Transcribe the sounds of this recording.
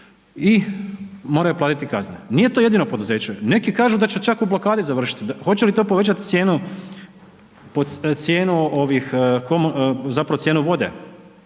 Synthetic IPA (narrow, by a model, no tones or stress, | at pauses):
i | mo̞ɾajuplˠaːt̪it̪ikazneniːjet̪oje̞d̪ino̞po̞d̪uze̞ːt͡ɕene̞kikaːʒud̪at͡ɕet͡ʃakublˠo̞kaːd̪izaʋr̩ʃi̥t̪id̪axo̞t͡ɕelit̪o̞ːpoʋe̞t͡ɕat̪it̪sje̞ːnu | pot̪sje̞ːnuoʋixkomzapɾaʋot̪sjeːnuʋo̞d̪e